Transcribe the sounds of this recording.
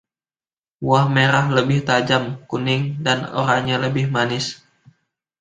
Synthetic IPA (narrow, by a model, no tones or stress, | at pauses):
wahmeɾahləbɪht̪ad͡ʒamkunɪŋdano̰ɾaŋɲaləbɪhmanɪs